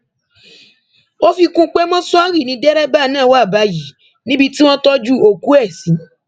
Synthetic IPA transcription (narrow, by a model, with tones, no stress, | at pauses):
o˦fi˧kũ˦k͡pe˦mɔ̃˦sɔ˦ɾi˦˨nĩ˧dɛ˦ɾɛ˦ba˦˨nãː˦˨wa˦˨ba˨˦ji˨˦ | nĩ˦bi˧ti˦w̃ɔ̃˦tɔ˦d͡ʒu˦˨o˧˨ku˨˦ɛ˦˨sĩ˨˦